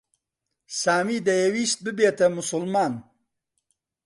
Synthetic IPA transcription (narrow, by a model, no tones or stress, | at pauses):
saːmiːd̪ɐjewiːst̪̚bɨbeːt̪ɐmʊsʊlmaːn